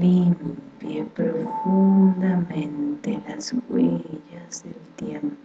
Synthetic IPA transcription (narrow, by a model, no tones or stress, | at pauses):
limpjepɾofund̪amẽnt̪elaskwijasd̪elt̪jempo